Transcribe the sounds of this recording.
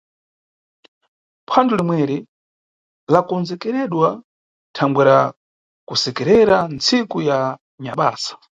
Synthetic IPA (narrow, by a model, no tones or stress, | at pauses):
pʰandulimwɛɾi | lakɔnzɛkɛɾɛɗwa | tʰaŋɡwɛɾa | kusɛkɛɾɛɾant͡sikuja | ɲaɓa̰ːsḁ